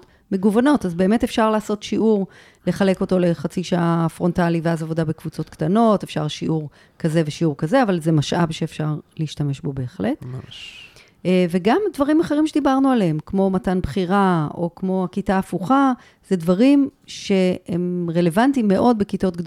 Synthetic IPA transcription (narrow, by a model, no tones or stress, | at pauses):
me̞ɡuvano̞tazbe̞ːme̞te̞fʃaʁlaːso̞tʃiʔuʁ | le̞χale̞ko̞to̞le̞χat͡siʃaʔafʁo̞ntaliveazavo̞dabekvut͡so̞tktano̞tefʃa̰ʁʃiʔuʁ | kaze̞veʃiuʁkaze̞avalzemaʃʔa̰bʃeːfʃaʁleiʃtame̞ʃbo̞beeχle̞t̪ | ve̞ɡamdvaʁimaχe̞ʁimʃed̪ibaʁnualehemkmo̞matanbχiʁao̞̰kmo̞akitaːfuχa | z̥e̞dvaʁimʃe̞hemʁe̞le̞vantimːe̞ʔo̞d̚bekito̞tɡd